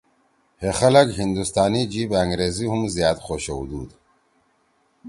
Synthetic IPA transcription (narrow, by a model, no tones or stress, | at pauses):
hexɐlɐɡɦind̪ust̪aːnid͡ʑibɐŋɡɾeːziɦumzjɑːt̪xoːɕɐud̪uːd̪